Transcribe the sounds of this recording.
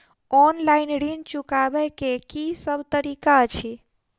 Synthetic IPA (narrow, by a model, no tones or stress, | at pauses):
ɔnlainɖint͡ʃukabɛkekisəbʱt̪əɾikat͡ʃʰi